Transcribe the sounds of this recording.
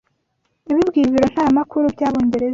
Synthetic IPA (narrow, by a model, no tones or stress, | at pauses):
iβibɡiːβiɾo̞n̥haːmakuɾubɟaːβo̞ːɲɟe̞ɾe̞za